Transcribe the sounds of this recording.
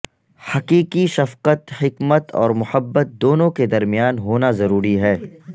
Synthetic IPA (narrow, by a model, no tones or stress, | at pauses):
hɐqiːqiʃɐfqət̪hɪkmət̪ɔ̰ːɾmʊhəbːət̪̚d̪oːnõked̪ɐɾmɪjaːnɦoːnazɐɾuːɾiɦɛː